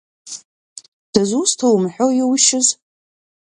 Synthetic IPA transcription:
d̥azustʰowmħʷᶣowjɪwʃɪz

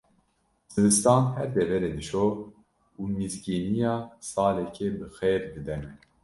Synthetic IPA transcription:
z̥ɨbɨst̪ɑːnhɛɾd̪ɛvɛɾeːd̪ɨʃoː | uːmizɡiːnijɑːsɑːlɛkʰɛbɨxeːɾd̪ɨd̪ɛnɛ

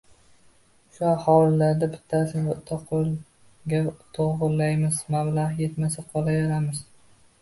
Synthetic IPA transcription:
ʃʊahɒlɪlaɾd̪abɪt̪ʰːasɪt̪ʰoql | ɡʲat̪ʰoʁʊllːajmɪzmablahje̞t̪masaqʰɒlajɒɾamɪz̥

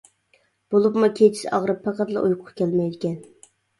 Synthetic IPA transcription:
b̥olˠupmukʲʰet͡ʃʰɪ̥sɑʁɾɨpʰːæqæt̪lˠɑ̰ʔujqʰʊqkʲɛlmɛjd̪ɪkʲɛn

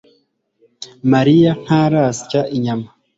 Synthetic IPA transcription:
maɾijan̥haːɾaːsi̥caʔiɲama

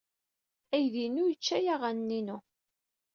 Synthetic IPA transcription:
æjðinujət͡ʃːæjaʁænnːinu

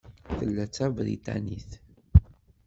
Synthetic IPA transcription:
θəlːæt͡sːævɾḭt̪a̰niθ

